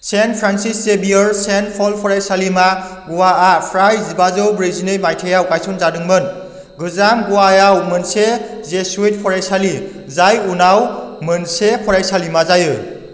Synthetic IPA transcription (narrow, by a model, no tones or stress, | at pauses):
senpʰɾansisːebijɯɾsenpʰɔlpʰɔɾajsalima | ɡuwaapʰɾajzibazɯwbɾizinɯjmajtʰejawkajsunzadɯŋmɯn | ɡɯzamɡuwajawmɯnsezesuit̚pʰɔɾajsali | zajunawmɯnsepʰɔɾajsalimazajɯ